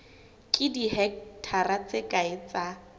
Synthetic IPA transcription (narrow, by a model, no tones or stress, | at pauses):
kʼɪdiɦɛk̚tʰarat͡sekʼaɪt͡sa